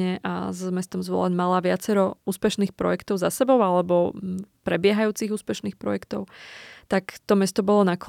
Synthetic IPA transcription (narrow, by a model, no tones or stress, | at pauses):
ɛʔa̰zmɛst̪ɔmzʋɔ̰lɛɲmalaʋɪat͡sɛɾɔuːspɛʃniːxpɾɔ̰jɛkt̪ɔʊzasɛbɔʊalɛbɔpɾɛbɪɛɦajuːt͡siɣuːspɛʃniːxpɾɔ̰jɛkt̪ɔʊt̪akt̪ɔmɛst̪ɔbɔlɔnak